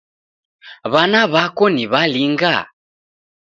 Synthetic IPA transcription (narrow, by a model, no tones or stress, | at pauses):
βanaβakɔniβaliŋɡa̰